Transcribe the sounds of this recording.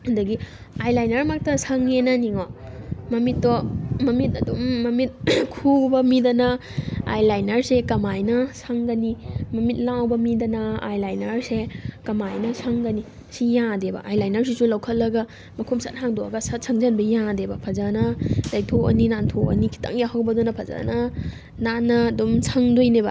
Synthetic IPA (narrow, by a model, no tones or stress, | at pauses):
ɐndɐɡi | ajlajnɐɾmak̚tɐsaŋenɐniŋomɐmit̚ːɔmɐmitɐdumːɐmit̚kʰubɐmidɐnɐ | a̰jlajnɐɾsekɐmajnɐsaŋɡɐnimɐmit̚lawbɐmidɐnɐa̰jlajnɐɾsekɐmajnɐsʰaŋɡɐni | sijãdebɐ̰ʔajlajnɐɾs̬isulɐwkʰɐtlːɐɡɐ | mɐkʰumsɐt̚haŋdoɐ̰ɡɐsɐt̚sʰɐŋzɐnbɐjãdebɐpʰɐzanɐdɐjtʰoɐ̰ninantʰoɐ̰nikʰi̥tɐ̰ŋjahawbɐdunɐpʰɐza̰nɐ | nanːɐːdumsʰɐŋdojnebɐ